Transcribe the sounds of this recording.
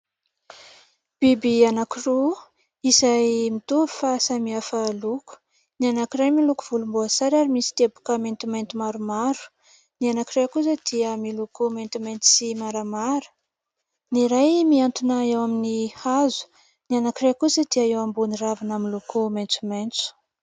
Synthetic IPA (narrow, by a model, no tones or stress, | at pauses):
b̥ibianakiru | izajmit̪uifasamiafəluku̥ | nianakirajmilukuv̥ulumbuasaɾaɾimisi̥t̪ebu̥kəment̪ument̪imaɾumaɾu̥ | nianakirajkus̬əd̪iəmilukument̪umejnt͡si̥simaɾamaɾə̥ | niɾajmiant̪unaewaminihazu̥ | nianakirajkusəd̪iaewambuniravanamilukumejnt͡sument͡su̥